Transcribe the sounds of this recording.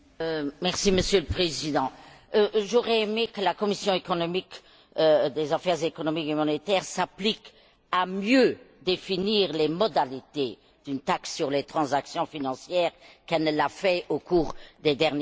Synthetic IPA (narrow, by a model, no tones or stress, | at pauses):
mɛʁsiməsjøləpχezid̪ɑ̃ | ʒuʁɛemekəlakɔmisjɔ̃ekɔnɔmik | d̪ezafɛʁzekɔnɔmikemɔnet̪ɛːʁsaplik | amjød̪efiniːʁlemɔd̪alit̪e | d̪̥ynt̪aksːyʁlet̪χɑ̃zaksjɔ̃finɑ̃sjɛːʁkɛlnəlafɛokuːʁd̪ed̪ɛʁnj